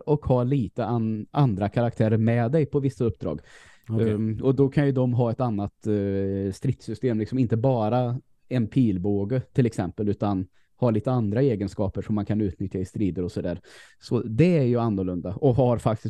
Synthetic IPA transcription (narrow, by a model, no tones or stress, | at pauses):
ɔkhɑːliːt̪əaand̪ɾakʰaɾak̚t̪ʰæːɾəɾmɛd̪ɛjpʰɔvɪsːaɵpːd̪ɾɑ̰ːɡ | ɔd̪ɔkʰanjɵd̪ɔmɦɑːɛt̪anːat̪ | st̪ɾɪt̪sʏst̪eːmlɪksɔmɪnt̪əbɑːɾa | ɛnpʰiːlboːɡət̪ʰɪlɛksɛmpəlʉ̟ːt̪an | hɑːliːt̪əand̪ɾaeːɡənskɑːpəʂɔmːankʰanʉ̟ːt̪nʏt̪ʰjaɪst̪ɾiːd̪əɾɔsɔd̪æ̰ːɾ | sɔd̪ɛæɾjɵanːɔɾɭɵnd̪aʔɔɦaɾfak̚t̪ɪs